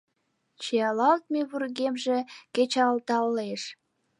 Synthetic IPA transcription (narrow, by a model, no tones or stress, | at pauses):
t͡ɕeɑlɑlt̪̚meβurɣemʒeket͡ɕɑlt̪ɑlːeʃ